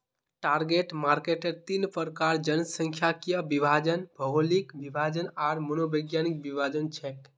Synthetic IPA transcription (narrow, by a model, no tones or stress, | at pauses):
ʈaɾɡeʈmaɾkeʈəɾt̪inpəɾkaɾd͡ʒənəsə̃ŋkʰjakijəbibʱad͡ʒənbʱəɦolikbibʱad͡ʒənaɾmənobəɡjanik̚bibʱad͡ʒənt͡ʃʰɛk